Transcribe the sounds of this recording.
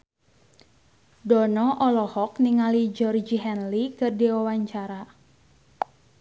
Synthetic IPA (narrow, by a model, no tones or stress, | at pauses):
dɔnɔʔɔlɔhɔkniŋalid͡ʒɔrd͡ʒiɦɛnlikɨrdiwawaɲt͡ʃaɾa